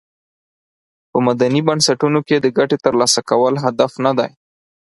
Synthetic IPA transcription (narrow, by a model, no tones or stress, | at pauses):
pəmad̪anibansaʈunoked̪əɡaʈet̪əɾlɑsakawəlɦad̪afnad̪aj